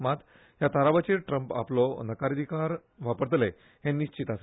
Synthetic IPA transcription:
mat̪ | jat̪aɾaʋat͡ɕiɾʈɾəmpa̰plɔnəkaɾəd̪ʱikaɾ | ʋapəɾt̪le | ɦẽnːiɕt͡ɕit̪ase

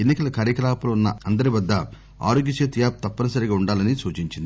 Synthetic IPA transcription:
enːikɐlɐkaːɾjɐkɐlaːpɐlɐunːɐɐnd̪ɐɾiʋɐd̪ːɐ | a̰ːɾoːɡjit͡ʃeːt̪ijaːp̚t̪ɐpːɐnɐsɐɾiɡaːuɳɖaːlɐnisuːt͡ʃiɲt͡ʃind̪i

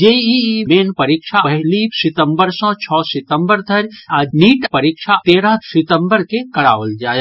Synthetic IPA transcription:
d͡ʒeimeːnpəɾikʃʰaəɦɪlisɪt̪ə̃mbəɾsɔ̃t͡ʃʰɔːsɪt̪ə̃mbəɾd̪ʱəɾaniːʈpəɾikʃʰat̪eːɾasɪt̪ə̃mbəɾkekɐɽaːʋəld͡ʒaːe

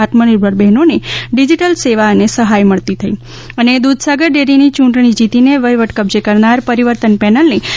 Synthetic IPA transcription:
at̪məniɾbʱəɽbɛɦnoneɖid͡ʒiʈəlseʋanesəɦajməɭt̪it̪ʰəi | əned̪ud̪ʱsaɡəɾɖeɾinit͡ʃũɳʈɳ̃id͡ʒit̪ineʋəjʋəʈkəbd͡ʒekəɾnaɾpəɾiʋəɾt̪ənpɛnəlne

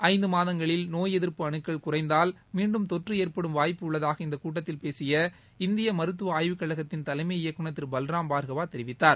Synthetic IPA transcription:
ʔɐɪnd̪ɯmaːðɐŋɡɐɭɪlnoːjɛðɪɾpɯɐɳɯkːɐɭkʊrɐɪnd̪aːlmiːɳɖɯmt̪ɔʈrɯeːɾpɐɽɯmʋaːjpːɯʊɭːɐðaːɣɐɪnd̪ɐkuːʈ̬ːɐt̪ːɪlpeːsɪjɐ | ɪnd̪ɪjɐmɐɾɯt̪̬ːɯaːjʋɯkːɐɭɐɣɐt̪ːɪnt̪ɐlɐɪmɐɪɪjɐkːɯɳɐt̪ːɪɾbɐlɾaːmbaːɾɣɐʋaːt̪ɛɾɪʋɪt̪ːaːɾ

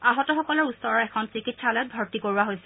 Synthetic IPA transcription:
aɦɔtɔxɔkɔlɔɹusːɔɹɔɹɛkʰɔnsikitsalɛt̚bʱɔɹtikoɹuaɦojsɛ

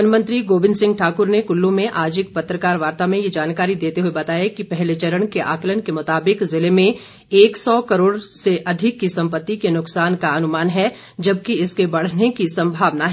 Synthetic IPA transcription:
nmə̃nt̪ɾiɡoːbɪ̃nsɪ̃ŋɡʈʰaːkʊɾnekʊlːũmẽʔaːd͡ʒɪk̚pɐt̪ːɾəkaːɾʋaːɾt̪amẽjed͡ʒaːnkaːɾid̪eːt̪eɦuebɐt̪aːjakipɛɦlet͡ʃɐɾəɽ̃keʔa̰ːklənkemʊt̪aːbɪkzɪlemẽ | eːksɔːkɐɾoːɽseʔɐd̪ʱɪkːisɐ̃mpət̪ːikenʊksaːnkaɐnʊmaːnɦɛ | d͡ʒɐb̚kiɪskebɐɽ̤nekisɐ̃mbʱaːʋnaɦ

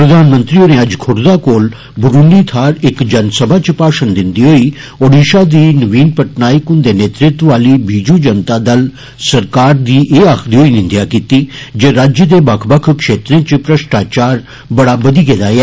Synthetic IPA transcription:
pɾəd̪aːnmə̃nt̪ɾiːoːneːɐd͡ʒkʰʊɽd̪aːkoːl | bʊɾuːniːt̪ʰaːɾɪkd͡ʒənsəbʱaːt͡ʃpaːʃənd̪ɪnd̪iːɦoːiː | oːɖiːʃaːd̪iːnəʋiːnpəʈnaːikʊnd̪eːneːt̪ɾɪt̪ʋaːliːbiːd͡ʒũːd͡ʒənt̪aːd̪əl | səɾkaːɾd̪iːʔeːaːkʰd̪iːɦoːiːnɪ̃nd̪jaːkiːt̪iːd͡ʒeːɾaːd͡ʒjəd̪eːbɐkʰbəkʰkʃeːt̪ɾẽːt͡ʃpɾəʃʈaːt͡ʃaːɾ | bəɽaːbəd̪iːkeːd̪aːɛː

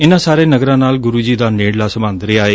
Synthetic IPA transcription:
ɪnãːsaːɾeːnəɡɾãːnaːlɡʊɾuːd͡ʒiːd̪aːneːɽlaːsəbãːnd̪ɾeaːeː

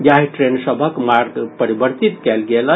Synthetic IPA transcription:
jaɦiʈɾensəbʱəkmaɾɡpəɾibəɾt̪it̪kɛlɡelə

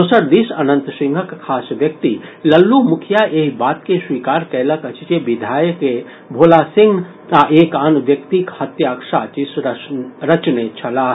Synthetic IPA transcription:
ʊsəɾd̪isɐnə̃nt̪sɪ̃ŋɡʱəkkʰːaːsʋjɐk̚t̪ilɐlːumʊkʰjaʔeːɦbaːt̪keswiːkaːɾkɛːləkət͡ʃit͡ʃeʋɪd̪ʱaːjəke | bʱoːlasɪ̃ŋɡ | aʔeːkanʋjɐkt̪ikhɐt̪jaːkʃaːt͡ʃis | ɾɐt͡ʃnet͡ʃʰɐlaːɦ

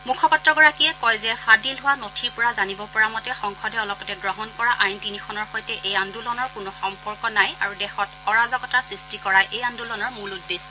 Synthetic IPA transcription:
mukʰɔpatɹɔɡɔɹakiɛkɔjzɛfʰadilɦʊwanotʰipʊɹazanibɔpɔɹamɔtɛxɔŋxʰɔdɛɔlɔpɔtɛɡɹɔɦɔnkɔɹaʔajntinikʰɔnɔɹxɔjtɛʔejandulɔnɔɹkʊnɔxɔmpɔɹkɔnajaɹudɛxɔtɔɹazɔɡɔtasɹistikɔɹajʔejandulɔnɔɹmuludes

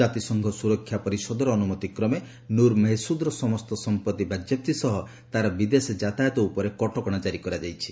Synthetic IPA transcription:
at̪isɔŋɡʱɔsuɾɔkʰːjapɔɾisɔd̪ɔɾɔːnumɔt̪ikɾɔme | nuɾmeɦsud̪ɾɔsɔmɔst̪ɔsɔmpɔt̪ibʱad͡ʒɔp̚t̪isɔɦɔ | t̪aɾɔbid̪esd͡ʒat̪ajɔt̪ɔupɔɾekɔʈɔkɔɽ̃at͡ʃaɾikɔɾad͡ʒajt͡ʃʰi̥

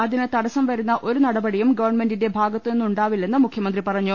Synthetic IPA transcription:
ɐðinɨt̪ɐɽɐsɐmʋɐɾunːɐʔʔo̞ɾunɐɽɐbɐɽijumɡɐʋɐrɳme̞ndinde̞bʱaːɡɐt̪ːɨenːuɳɖaːʋilːe̞nːɨmukʰjɐmɐnd̪ripɐrɐɲːu

